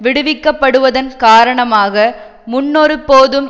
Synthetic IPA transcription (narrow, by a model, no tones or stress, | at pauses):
ʋɪɽɯʋɪkːɐpːɐɽɯʋɐðɐnkaːɾɐɳɐmaːɣɐ | mʊnːɔɾɯpːoːðɯm